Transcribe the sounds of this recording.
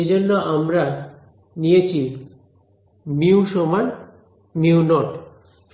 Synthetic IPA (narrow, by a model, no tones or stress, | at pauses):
ed͡ʑonːoamɾa | nijet͡ɕʰi | niuʃoman | niunɔʈ